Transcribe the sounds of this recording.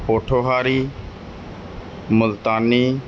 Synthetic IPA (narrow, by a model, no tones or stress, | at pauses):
poːʈʰoːɦaːɾiː | mʊlt̪aːniː